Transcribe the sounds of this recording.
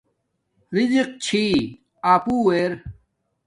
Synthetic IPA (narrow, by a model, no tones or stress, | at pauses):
ɾid͡ʑiq̚t͡ɕʰi | aːpuːeɾ